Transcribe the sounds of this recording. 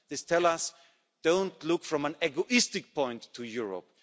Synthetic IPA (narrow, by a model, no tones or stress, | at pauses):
ðɪstʰɛlˠʌs | d̥õʊ̃ntlʊkfɹʌ̃mə̃nɛɡoʔɪstɨk̚pʰɔ̃ɪ̃ntʰːujʊɹo̰p̚